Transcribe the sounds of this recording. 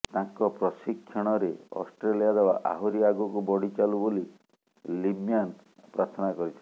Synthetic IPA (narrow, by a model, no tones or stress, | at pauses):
t̪ãŋkɔpɾɔsikʰːjɔɽ̃ɔɾeɔ̰sʈɾelijad̪ewaʔa̰ɦuɾiaɡɔkubɔɽ̤it͡ʃaluboli | limjan | pɾaɾt̪ʰɔnakɔɾit͡ʃʰi